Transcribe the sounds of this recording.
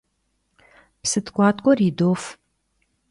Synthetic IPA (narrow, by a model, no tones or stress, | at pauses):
psɨtʰkʷʼɑːtʼkʷʼɔriːdoːf